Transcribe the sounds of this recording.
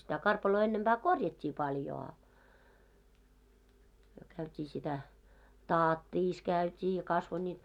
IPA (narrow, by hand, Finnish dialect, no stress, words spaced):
sitæ kɑrpɑloː enːemb̥æː korjɑtʲːiː pɑljo ɑ myø kæytʲiː sitæ tɑːtːiːs kæytʲiː jɑ kɑsʋo nʲiːt